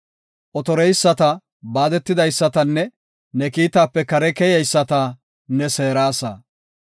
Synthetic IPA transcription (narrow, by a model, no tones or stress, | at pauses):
ʔɔt̪ɔɾɛjsːɐt̪ɐ | baːd̪ɛt̪ːɪd̪ɐjsːɐt̪ɐnːɛ | nɛkiːt̪aːpːɛkɐɾɛkɛjɛjsːɐt̪ɐ | nɛseːɾaːsɐ̰